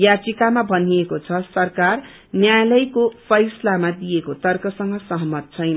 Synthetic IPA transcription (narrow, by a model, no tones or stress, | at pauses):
jad͡zikamabʱʌniekot͡sʰʌsʌrkar | njajlʌjkopʰʌjslamad̪ijekot̪ʌrkʌsʌŋɡʌsʌɦʌmʌt̪̚t͡sʰʌjna